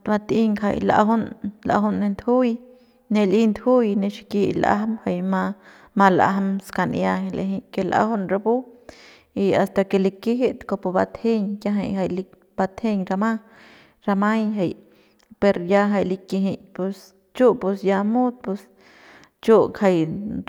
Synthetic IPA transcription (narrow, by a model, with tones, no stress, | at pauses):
ba˧t̪i˦ŋkʰa̰˧˨jla̰˧ɦo˦nla̰˧ɦu˧nːe˧nd̪hu˦j | ne˧li˦nd̪hu˦jne˧ʃi̥˧ki˧la̰˧ɦmha˧jma˧ | ma˧la̰˧ɦmska˧n˧ja˧he˧lḛ˧ɦi˧ke˧la̰˧ho˦nɾa˧bu˦ | i˧a˨st̪a˧ke˧li˧ki˦ɦi˦t̪ko˧po˧ba˧t̪he˦ɲja˧ɦa˧˨ja˧˨jli˧ | b̥a˧t̪he˧ɲɾa˧ma˦ | ɾa˧ma˦jɦa˨j | pe˧ɾja˧ɦa˧jli˧ki˧ɦi˧ɲpe˧s | t͡ʃu˦pu˧sja˧mu˦d̪̚pe˧s | t͡ʃu˦kʰa˧j